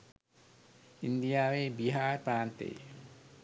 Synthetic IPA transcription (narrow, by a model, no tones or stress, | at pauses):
ind̪ijaːʋeːbiɦaːɾəpɾaːnt̪ḛj̰